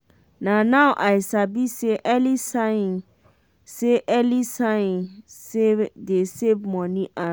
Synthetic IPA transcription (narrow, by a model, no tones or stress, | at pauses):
nãnãwʔaɪsabiseʔɛlisãɪ̃n | seʔɛlisãɪ̃nsedesebmɔ̃nĩʔa